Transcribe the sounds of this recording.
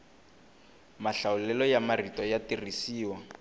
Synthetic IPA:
maɬaʊlɛlɔjamaritɔjatirisiːwa

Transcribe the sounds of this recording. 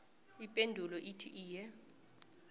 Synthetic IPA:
ipʼendʱulɔʔitʰiʔiːjɛ

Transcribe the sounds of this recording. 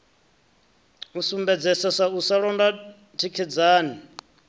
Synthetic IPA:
usumbɛd͡zɛsasausaɺɔnda | tʰikʰid͡zaːni

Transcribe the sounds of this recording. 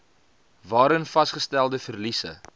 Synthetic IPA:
vɑːɾənfɐsχəstælˠdəfərlisə̰

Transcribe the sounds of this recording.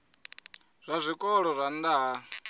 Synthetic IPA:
z̥ʷazʷikʼɔɺɔzʷand̪a

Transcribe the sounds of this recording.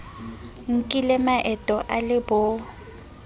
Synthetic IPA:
ŋ̩kʼilɛmaʔɛtʼɔʔalɪbɔ

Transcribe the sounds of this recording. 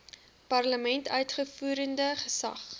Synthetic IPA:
pɐrləmɛntœɥtχəfuːɾəndəχəsɐ̰χ

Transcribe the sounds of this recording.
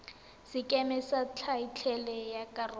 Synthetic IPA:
sɪkʼɛmɛsat͡ɬʰait͡ɬʰɛlɛjakʼarʊ

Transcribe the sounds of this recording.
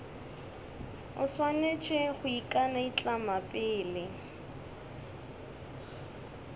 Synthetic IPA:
ʊswanet͡ʃʼɪχʊikʼanait͡ɬʼamapʼɪːlɪ

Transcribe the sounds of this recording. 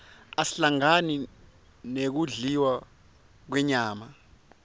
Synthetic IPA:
asiɬaŋani | nek̬uɮiwa | k̬wɛɲaːma

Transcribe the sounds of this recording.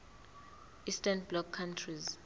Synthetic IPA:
istʰanblɔkʰːantʰriz

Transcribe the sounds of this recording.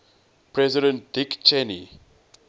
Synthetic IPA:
pʰɹɛziɾə̃nt̚dikt͡ʃɛnḭ

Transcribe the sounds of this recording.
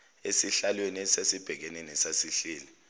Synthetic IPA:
esiɬalwenɛsesib̥ʱɛk̬ɛnɛnɛsasiɬiːlɛ

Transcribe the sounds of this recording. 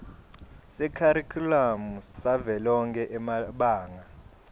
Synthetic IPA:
sɛkʰaɾikʰulamusavɛlɔŋkʰɛʔɛmaɓaːŋa

